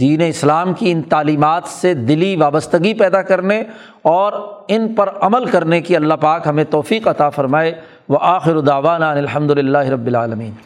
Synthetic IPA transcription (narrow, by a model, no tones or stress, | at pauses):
d̪iːneɪslaːmkiɪnt̪aːliːmaːt̪sed̪ɪliʋaːbəst̪əɡipɛːd̪akɐɾne | ɔːɾɪnpɐɾɐməlkɐɾnekiɐlːaɦpaːkɦɐmẽt̪ɔːfiːqɐt̪afɐɾmaːe | ʋɐʔaːxɪɾod̪aːʋaːnaɐnɪlɦɐ̃md̪ʊlɪlːaːɦɪɾɐbːɪlaːlɐmiːn